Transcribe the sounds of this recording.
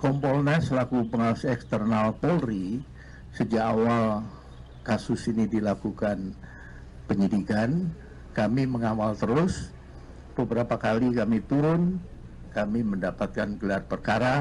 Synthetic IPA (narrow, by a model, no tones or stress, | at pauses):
kɔmpɔlnasəlakupəŋausɛkst̪ərnalpɔlri | səd͡ʒakawal | kasʊsinidilakukan | pəɲidikan | kamiməŋamalt̪əɾʊs | b̥əbəɾapakalikamit̪uɾʊn | kamiməndapat̪̚kanɡəlarpərkaɾa